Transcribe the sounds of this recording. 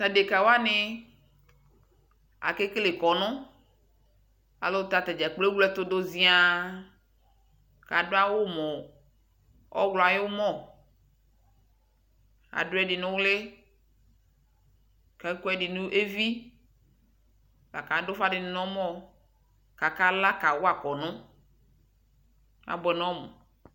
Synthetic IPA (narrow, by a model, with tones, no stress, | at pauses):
ta˨de˨ka˨wo˦a˦ne˦ | a̰˨ke˦ke˦le˨kɔ˨nɔ̃˦ | a̰˨lo˦t̪a˨t̪e˨d͡ʒa˨k͡ple˦wlɛ˦t̪o˦d̪o˦zĩ˦a˨ | ka˨do˦a˦wo˦mɔ̃˨ | ɔ̰˦wlɔ˨a˨jo˦mɔ̃˦˨ | a̰˨ɖo˦ɛ˦ɖi˨nũ˦wle˦ | kɛ˨˦kɔ˦ɛ˦ɖi˨nũ˦ʔe˦vi˦ | la̰˨ka˨˦do˦fa˦ɖe˨n˦nɔ̃˦mɔ̃˦ | ka˨ka˦la˦ka˨wo˦a˨kɔ˨nɔ̃˦ | a̰˨bɔ˨nɔ̃˦mɔ̰̃˨